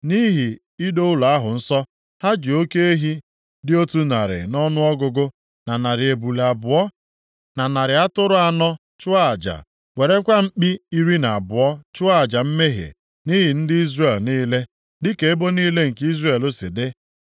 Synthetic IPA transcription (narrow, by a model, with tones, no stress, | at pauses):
ni˦ɦi˨ | i˦do˦ʊ˦la˨a˦ɦʊ˨n̩˦sɔ˦ | ha˦d͡ʒi˨o˦ke˦e˦ɦi˦ | dɪ˦o˦tu˦na˨ɾɪ̰˨nɔ˦nʊ˦ɔ˦ɡʊ˦ɡʊ˦ | na˨na˨ɾɪ˨e˨bu˨le˨a˨bʊ˨ɔ˦ | na˨na˨ɾɪ˨a˦tʊ˦ɾʊ˦a˨nɔ˦ | t͡ʃʊ˦a˦a˨d͡ʒa̰˨ | we˨ɾe˦kʷa˦m̩˦k͡pi˦i˦ɾi˦na˨a˨bʊ˨ɔ˦t͡ʃʊ˦a˦a˨d͡ʒa˨m̩˦me˦ɦḛ˨ | ni˦ɦi˨n̩˦dɪ˦i˦zre˨lniː˦le˦ | dɪ˦ke˨e˦bo˦niː˦le˦ŋ̩˨ki˦zre˨lo˦sɪ˨dɪ˦